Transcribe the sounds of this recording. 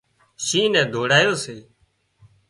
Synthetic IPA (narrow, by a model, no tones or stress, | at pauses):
ʃiːnɛ̃ːd̪ʱoːɽaːjoːseː